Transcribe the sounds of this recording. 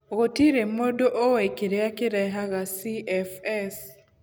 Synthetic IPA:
ɣotiɾemodoʔowɛkiɾɛakiɾɛɦaɣasiɛfɛs

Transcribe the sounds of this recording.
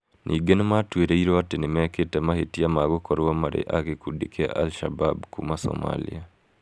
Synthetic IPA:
nʔiɡenmatweɾeiɾoatenɪmɛketɛmahetiamaɡokɔɾamaɾḛʔakekudikʰea̰ʔalʃababkumasɔ̰ma̰lḭa

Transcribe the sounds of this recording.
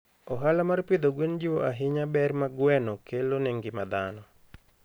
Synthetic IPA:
ɔɦalamarpid̪oɡwend͡ʒiwoaɦɪɲabɛrmaɡwɛnokʰelonɛŋɡɪmad̪anɔ

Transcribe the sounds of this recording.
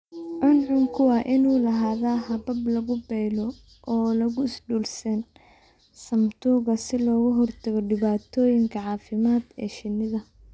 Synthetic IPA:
ʕʊnʕʊŋkʰʊwɑːʔɪnuːlɐɦaːðaːɦɐbɐblɐɣʊbɛjlɔ | ɔːlɐɣʊɪsɖuːlsɐn | sɐmt̪ʰuːɣɐsɪlɔːɣʊɦɔrt̪ʰɐɣɔɖɪβaːt̪ʰɔːjɪŋkʰɐʕɑːfɪmaːd̪ɛ̰ːʃɪnːɪðɐ

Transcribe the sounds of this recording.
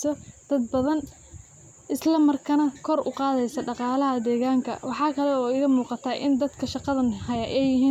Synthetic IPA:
sɔd̪̥ɐd̪̚bɐðɐn | ʔɪslɐmɐrkʰɐnɐkʰɔrʔʊ̰qɑːðɛjsɐɖɑqɑːlɐɦɐd̪ɛːɣaːŋkʰɐ̰wɑħɑːkʰɐlɛɔːɪɣɐmuːqɑt̪ʰaːʔɪnd̪ɐd̪kʰɐʃɑqɑðɐnhɐjɐʔɛjɪɦiː

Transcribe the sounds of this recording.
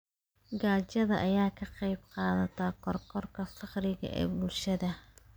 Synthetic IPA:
ɡaːt͡ʃɐðɐʔɐjaːkʰɐqɑjbqɑːðɐt̪ʰaːkʰɔrkʰɔrkʰɐsɑχrɪɣɐ̰ʔɛ̰ːbʊlʃɐðɐ

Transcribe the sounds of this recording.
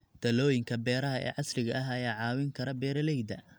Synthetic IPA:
d̪̥ɐlɔːjɪŋkʰɐbɛːɾɐɦɐʔɛ̰ːʕɑslɪɣɐʔɐɦɐjaːʕɑːwɪŋkʰɐɾɐbɛːɾɐlɛjd̪ɐ

